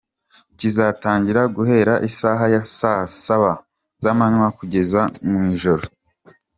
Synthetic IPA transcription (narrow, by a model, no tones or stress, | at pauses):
cizataːɲɟiɾaɡuhe̞ːɾaʔisaɦajasasaβa | zamanŋwakuɟe̞zamumiʒo̞ɾo